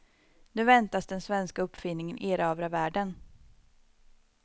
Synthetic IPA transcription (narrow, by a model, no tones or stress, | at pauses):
nʉ̟vɛnt̪asd̪ɛnsvɛnskaɵpːfɪnːɪŋənʔeːɾɑːvɾavæːɖən